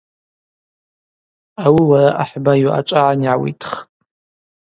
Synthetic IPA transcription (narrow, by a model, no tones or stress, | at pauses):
awiwaraʔaħbajaʔa̰t͡ʃʷʼaʕanʕawḭtʰχtʼ